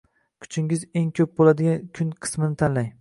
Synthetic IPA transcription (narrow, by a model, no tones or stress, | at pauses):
kʲʰʊ̥t͡ʃʰɪŋɪze̞ŋkʲʰɵp̚bolad̪ɪɡʲankʲʰʊnqʰɨ̥smɪnɪt̪ʰanlaj